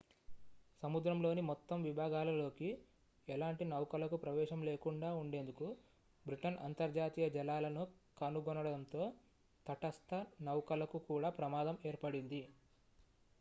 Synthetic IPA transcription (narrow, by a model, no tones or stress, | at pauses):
sɐmud̪ɾɐmlo̞ːnimɔt̪ːɐmʋibʱaːɡaːlɐlo̞ːki | ɛlaːɳʈinɐwkɐlɐkupɾɐʋɛːʃɐmleːkuɳɖaːuɳɖe̞nd̪uku | bɾiʈɐnɐ̰nt̪ɐɾd͡ʒaːt̪iːjɐd͡ʒɛlaːlɐnukɐnuɡɔnɐɽɐɽɐnt̪o̞ː | t̪ɐʈɐst̪ɐnɐwkɐlɐkukuːɽaːpɾɐmaːd̪ɐme̞ːɾpɐɽind̪i